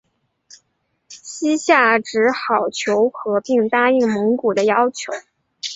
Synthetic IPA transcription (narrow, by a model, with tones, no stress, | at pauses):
ɕi˥ɕja˥˩ʈ͡ʂɻ̩˧˥xɑ˨˩ʊt͡ɕʰjo˧˥ʊxɤ˧˥pi˥˩ŋt̪a˥i˥˩ŋmɤ˧˥ŋku˨˩d̪ə˦jɑ˥ʊt͡ɕʰjo˧˥ʊ